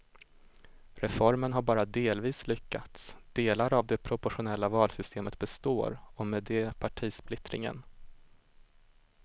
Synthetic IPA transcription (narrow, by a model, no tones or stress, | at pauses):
ɾɛfɔɾmənɦaɾbɑːɾad̪eːlviːslʏkːa̰t̪sd̪̥eːlaɾavd̪ɛpʰɾʊpɔɧʊnɛlːavɑːlsʏst̪ʰeːmət̪̚bɛst̪o̰ːɾɔmɛːd̪ɛpʰaʈʰiːsplɪt̪ɾɪ̰ŋə̰n